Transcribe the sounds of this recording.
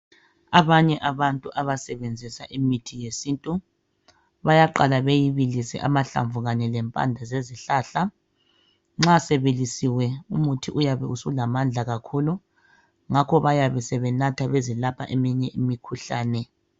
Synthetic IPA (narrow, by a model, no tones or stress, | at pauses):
aβaɲɛʔaβantʼuʔaβasɛβend͡zʱisaʔimitʰijesiːntʼu | βajaǃalaβejiβilisɛ̰ʔamaɬa̰ɱvuɣaɲɛlɛmpʼa̰nd͡ɮʱazeziɬaːɬa | ŋ͡ǁasɛβelisiwɛumutʰiʔujaβɛusulamand͡ɮʱaɣakʰuːlu | ŋakʰɔβajaβɛsɛβɛnatʰaβezilapʰa̰ʔemiɲɛʔimikʰuɬa̰ːnɛ